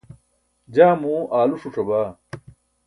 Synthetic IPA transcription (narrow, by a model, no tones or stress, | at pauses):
d͡ʑaːmũʔaːluʂuʈ͡ʂɐbaː